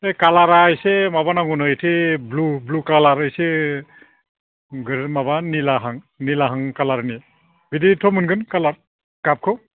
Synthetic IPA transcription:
ekalaɾajsɛmabanaŋunɔjtʰeblublukalaɾɯjsɛ | ɡɯɾmabanilaɦaŋ | nilaɦaŋkalaɾni | biditʰɔmɯnɡɯnkalaɾ | kap̚kʰɔ

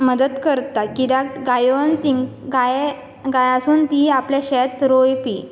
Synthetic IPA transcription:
məd̪əd̪kəɾt̪akid̪aɡajont̪iɡaj | ɡajasuːnt̪iapljaɕɛt̪ɾojpḭ

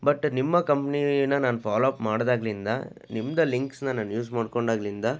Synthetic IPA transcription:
bɐʈːnimːɐkɐmpɐninɐnaːnpʰaːlɐpmaːɽd̪aːɡlind̪a̰ | nimːɐd̪ɐliŋksnɐnaːnjuːsmaːɖkoɳɖaːɡɐlind̪aː

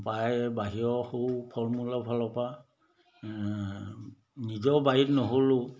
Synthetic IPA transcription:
pajbaɦiɔhowpʰɔɹmulapʰalɔpa | nizɔbaɦitnɔɦolʊ

